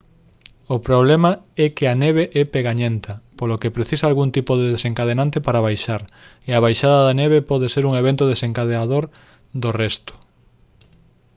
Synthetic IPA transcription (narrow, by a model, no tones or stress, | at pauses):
opɾoβlema | ɛkɪaneβeʔɛpeɣaɲẽnt̪ɐpolokepɾeθisalɣunt̪ipoðeðeseŋkað̞enãnt̪epaɾaβ̞ajʃaɾ | eaβajʃaðɐaðɐneβ̞epɔðeseɾuŋeβent̪oðeseŋkaðeaðoɾ | d̪orɛst̪ʊ̥